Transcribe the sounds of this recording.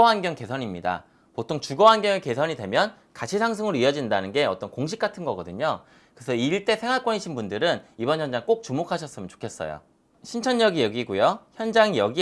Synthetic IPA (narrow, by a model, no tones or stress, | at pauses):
ɦanɡjʌŋke̞sʰʌɲimɲida̰ | potʰoŋt͡ɕuɡʌɦanɡjʌŋeke̞sʰʌɲidwe̞mjʌn | kat͡ɕʰisʰaŋs̬ʰɯŋɯɾoiʌd͡ʑindanɯnɡe̞ʌt͈ʌnkoŋɕʰik͈atʰɯnɡʌɡʌdɯɲo | kɯsʰʌiɭt͈e̞sʰe̞ŋɦwaɭk͈wʌniɕʰinbundɯɾɯnibʌnçjʌnd͡ʑaŋk͈ok̚t͡ɕumokʰaɕʰʌs͈ɯmjʌnt͡ɕo̥kʰe̞s͈ʌ̰jo̰ | ɕʰint͡ɕʰʌnjʌɡijʌɡiɡujoçjʌnd͡ʑaŋjʌɡi